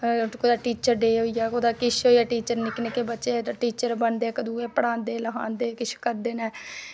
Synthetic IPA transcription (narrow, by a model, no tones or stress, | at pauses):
koːd̪aːʈiːt͡ʃəɾɖeːɦoːiɛːkoːd̪aːkɪʃʰɦoːiɛːʈiːt͡ʃəɾnɪknekeːbətːt͡ʃeːʈiːt͡ʃəɾbənd̪eːkəd̪uːeːpəɽãːnd̪eːləɦã̰ːnd̪eːkɪt͡ʃʰkəɾd̪eːnɛː